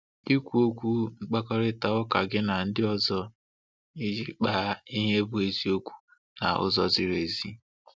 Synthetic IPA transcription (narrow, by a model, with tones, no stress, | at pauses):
i˦kʷu˦o˦kʷu˦ŋ͡m̩˦k͡pa˦kɔ˦ɾɪ˦ta˨ʊ˦ka˨ɡɪ˦na˨n̩˦dɪ˦ɔ˦zɔ˦ | i˦d͡ʒi˦k͡pa˦i˦ɦe˦bʊ˦e˨zi˦o˦kʷu̥˦ | na̰˨ʊ̰˦zɔ˦zɪ˦ɾe˨zi˦